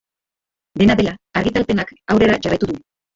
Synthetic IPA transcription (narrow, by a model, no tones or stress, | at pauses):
d̪e̞naðe̞laːɾɣit̪alpe̞nakawɾe̞ɾaʝarajt̪uðu